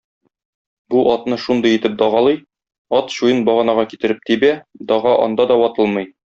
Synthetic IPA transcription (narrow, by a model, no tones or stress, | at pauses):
buʔɒt̪nɤʃund̪ɤjĭt̪ɘp̚d̪ɒʁɑlˠɤj | ɒt̪ɕujɤnbɒʁɑnɑʁɑkit̪ɘ̆ɾɘp̚t̪ibæd̪ɒʁɑʔɒ̰nd̪ɑd̪ɒwɒt̪ɤlˠmɤj